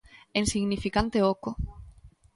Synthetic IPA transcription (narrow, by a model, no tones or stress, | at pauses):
ensiɣnifikant̪eoko